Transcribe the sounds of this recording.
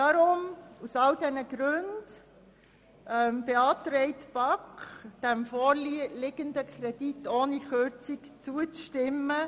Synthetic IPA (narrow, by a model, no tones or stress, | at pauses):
dɑɾʊmusɑldɛnəɡ̥ɾʉnd̥ | ʔɛmb̥eɑːtɾɛɪtb̥ɑkd̥æmfoːɾlilɪɡ̥əndəkʰɾɛd̥itoːniχøɾt͡sikt͡suət͡sʃtɪmːə